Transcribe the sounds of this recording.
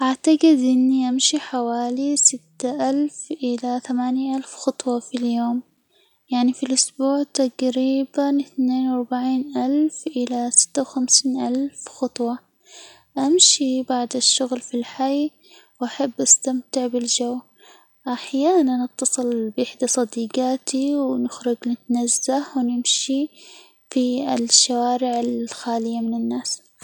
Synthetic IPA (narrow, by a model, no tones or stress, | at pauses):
ʔaʕt̪aɡɪd̪ʔɪnːiʔamʃiħawaːlisɪt̪ːaʔalfʔɪlaθamaːnjaʔalfxɑt̪ˤwɑfiljoːm | jaʕnifilʔʊsbuːʕt̪aqɾiːbanɪθneːnwɑɾˤbaʕiːnʔalfʔɪlasɪ̥t̪ːawxamsiːnʔalfxɑt̪ˤwɑ | ʔamʃibaʕd̪aʃːʊɣlfilħaj | wʔaħabːʔast̪amt̪ɪʕbɪld͡ʒaw | ʔaħjaːnanːɪt̪ːɑsˤɨlbʔɪħd̪asˤɑd̪iːɡaːt̪iwnɪxɾɪd͡ʒnɪt̪nazːahwnɪmʃi | fiɪlʃːawaːɾɪʕalxaːlɪjːamɪnɪnːaːs